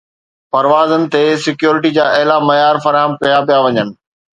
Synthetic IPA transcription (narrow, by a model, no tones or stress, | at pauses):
pɐɾʋaːzənɪ̆t̪esɪkjoːɾɪʈid͡ʑaːʔɐɦɪlamɐjaːɾfɐɾaːɦəmkɐjap̬ijaʋɐɲənɪ̆